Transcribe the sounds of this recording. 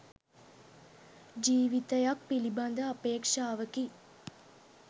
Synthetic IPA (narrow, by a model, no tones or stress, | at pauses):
d͡ʒiːʋit̪əjak̚piliband̪əːpeːkʂaːʋəki